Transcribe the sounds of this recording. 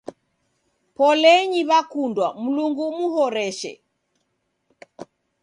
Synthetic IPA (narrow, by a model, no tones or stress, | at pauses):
pɔlɛɲiβakundwam̩luŋɡumuɦɔɾɛʃɛ̰